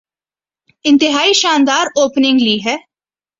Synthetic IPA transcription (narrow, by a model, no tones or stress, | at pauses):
ɪ̃nt̪ɪɦaːiːʃaːnd̪aːɾoːpnɪ̃ŋɡliːɦɛː